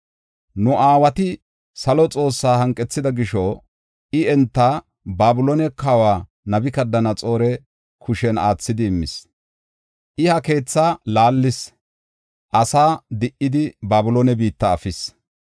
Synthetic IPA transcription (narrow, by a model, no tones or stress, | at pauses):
nʊʔaːwɐt̪ɪ | sɐlɔt͡sʼo̞ːsːaːhɐŋkʼːɛt͡sːɪd̪ɐɡɪʃɔ | ʔɪɛnt̪ːaː | baːbʊlonɛkawaː | nɐbɪkɐd̪ːɐnɐt͡sʼo̞ːɾɛ | kʰʊʃɛna̰ːt͡sːɪd̪ɪɪmːɪ̰s | ʔɪhɐke̞ːt͡sːaːlaːlːɪs | ʔɐsaːd̪ɪʔːɪd̪ɪbaːbʊloːnɛbiːt̪ːɐːfɪs